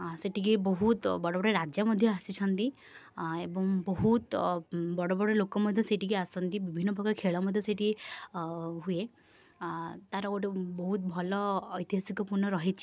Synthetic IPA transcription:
seʈikibɔɦut̪bɔɽobɔɽeɾad͡ʒjɔmɔd̪ʱjɔasit͡ʃʰɔnt̪i | ebɔŋbɔɦut̪bɔɽɔbɔɽelokɔmɔd̪ʱjɔseʈikiasɔnt̪ibibʱinːɔpɔkɔkʰeɭɔmɔd̪ʱjɔseʈi | ɦue | t̪aɾɔkoʈebɔɦut̪̚bʱɔlɔːjt̪iɦasikɔpuɾnːɔɾɔɦit͡ʃʰi̥

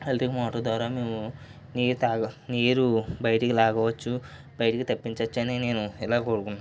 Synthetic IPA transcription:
helʈikmɔːʈɐd̪ʋaːɾaːmeːwu | niːɾt̪aːɡɐneːɾubɐjɐʈikilaːɡɐʋɐt͡ʃːu | b̥ɐjɐʈikit̪ɐpːiɲt͡ʃɐt͡ʃːɐnine̞ːnuilaːkoːɽukunːaː

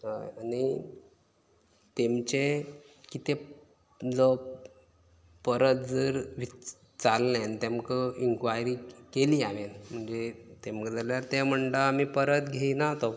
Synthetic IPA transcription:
a̰ani | t̪emt͡ɕe | kit̪e | d͡zɔ | pəɾət̪̚d͡zəɾʋi | t͡salːẽnt̪emkəiŋkʋajɾikeliːaʋenm̤əɳd͡zet̪emkəd͡zaljaɾt̪em̤əɳʈaamiːpəɾət̪ɡʱeinat̪o

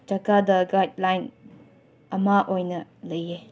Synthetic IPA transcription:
d͡ʒɐkadɐɡajd̚lajn | ɐmaʔojnɐlɐje

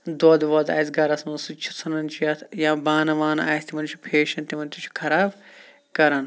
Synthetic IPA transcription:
d̪od̪ʋɐd̪a̰ːsɡɐɾɐsmɐnsut͡ʃʰu̥t͡sʰɐnɐnt͡ʃʰujɐt̪ʰjãːbaːnɐʋaːnaːjsʲt̪imɐnt͡ʃʰu̥pʰeːʃɐnt̪imɐnt̪ut͡ʃʰu̥kʰɐɾaːb | kɐɾɐn

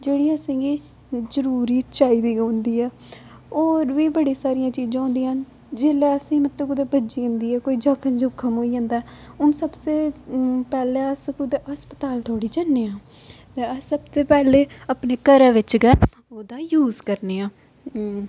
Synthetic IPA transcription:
d͡ʒeːɽiːəsẽːɡiː | zəɾuːɾiːt͡ʃaːiːd̪iːõːnd̪iːɛː | oːɾʋiːbəɽiːsaːɾijãːt͡ʃiːd͡ʒãːɦõnd̪iːɦən | d͡ʒeːlɛːəsĩːmət̪ːəkʊd̪eːbəd͡ʒiːʊ̃nd̪iːɛːkoːiːd͡ʒaːkʰənd͡ʒoːkʰːəmɦoːiːd͡ʒãːnd̪aːɛːʊnsəbseːpɛːleəskʊd̪eːɦəspət̪aːlt̪ʰoːɽiːd͡ʒanːeːãː | t̪eəsəbseːpɛːleːapneːkəɾãːʋɪt͡ʃɡɛ | oːd̪aːjuːzkəɾneːãː

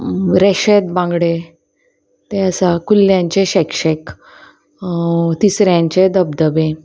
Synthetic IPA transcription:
ɾɛɕet̪̚bãŋɡɽe | t̪eəsakulːjãɲt͡ɕeɕɛkʂek | t̪isɾjãɲt͡ɕed̪əbd̪əbẽ

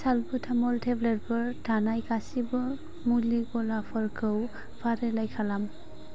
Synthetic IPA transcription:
salbutʰamɔltʰɛblɛt̚pɔɹtʰanajkasibɔ | muliɡɔlapʰɔɹkʰɯw | pʰaɾɛlajkʰalam

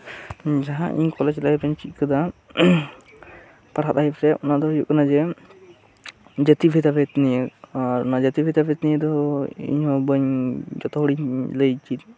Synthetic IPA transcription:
d͡ʒaɦã̰ʔḭɲkɔlat͡ʃit̪laibəɲt͡ʃit̪̚kəd̪a | paɾɦat̪aipɾɛʔɔnaʔd̪ɔjuʔkənad͡ʒɛ | d͡ʒət̪ibʱɛt̪abɛt̪nijəaɾɔnad͡ʒət̪ibʱɛd̪abɛt̪nijəd̪ɔḭɲhɔbəɲd͡ʒɔt̪ɔɦuɽiɲləjt͡ʃit̪̚

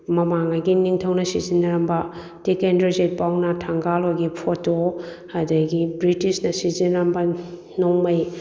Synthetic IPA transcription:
mɐmaŋaɡiniŋtʰɐwnɐsḭzinɐɾɐmbɐ | tekendɾizet̚pawnɐtʰaŋɡalojɡipʰoto | hɐdɐɡibɾitisnɐsizinɾɐmbɐ | noŋmɐj

